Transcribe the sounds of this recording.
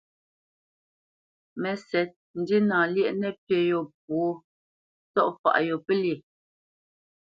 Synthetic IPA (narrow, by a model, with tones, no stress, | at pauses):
mɛ˨sɛ˨t̚n̩˨di˦naː˨ljɛ˦ʔnɛ˦˨pje˨jo˨p̚o˦ | tɔ˦ʔfa̰˨ʔjo˨pe˦lje˨